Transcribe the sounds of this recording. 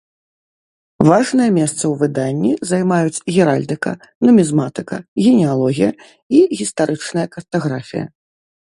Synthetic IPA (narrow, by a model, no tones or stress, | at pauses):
vaʐnɨjɐmʲɛst̪sɐwvɨd̪anʲːizajmajut͡sʲɣʲɛɾalʲd̪ɨkɐ̰ | nɐmʲizmat̪ɨkɐ̰ɣʲɛnʲɛalˠɔɣʲijɐ | iɣʲist̪aɾʔɨt͡ʂnɐjɐkɐrt̪aɣɾafʲḭjɐ̰